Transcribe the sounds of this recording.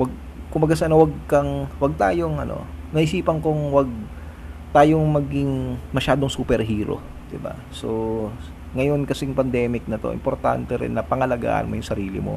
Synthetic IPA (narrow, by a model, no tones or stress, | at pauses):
wɐɡ̚ | kʊmbɐɡasʔɐnowɐɡ̚kɐŋwɐɡ̚t̪a̰ːjoŋʔɐno̞̰nɐʔɪsiːpɐŋkoŋwɐɡ̚ | t̪aːjoŋmɐɡɪŋmɐʃaːd̪oŋsuːpɛɾɦiːɾo̰ | d̪̥ɪba̰ | so | ŋɐjo̞nkɐsɛjʊŋpɐnd̪ɛːmɪk̚nɐt̪o̞̰ʔɪ̰mpoɾt̪a̰nt̪ɛɾɪ̰nːɐpɐŋɐlɐɡa̰ːʔɐ̰nmo̞jʊŋsɐɾiːlɪ̰mo̰